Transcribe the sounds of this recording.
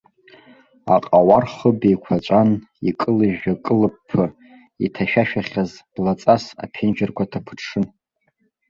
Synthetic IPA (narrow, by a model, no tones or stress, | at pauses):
a̰qʼawarχəbejkʷʰat͡ʃʷʼan | ḭkʼɨlɨʒakʼɨlɨpʰːɨ | itʰaʃᶣaʃᶣaχʲazblat͡sʼasa̰pʰɪnd͡ʒɪrkʷʰatʰapʰɨ̥ʂɨn